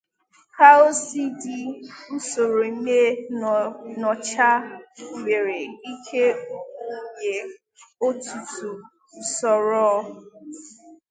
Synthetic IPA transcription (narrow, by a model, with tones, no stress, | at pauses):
ka˦o˦si˦di˦n̩˦so˨ɾo˨i˦me˦ | nɔ˨t͡ʃa˦me˨ɾe˨i˦kʰe˦o˦me˨ | o˦tu˨tu˨ | sɔ˨ɾɔ˦